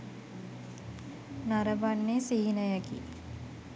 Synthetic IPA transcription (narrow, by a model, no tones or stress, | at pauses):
naɾəbanːesiɦinəjaɡḭ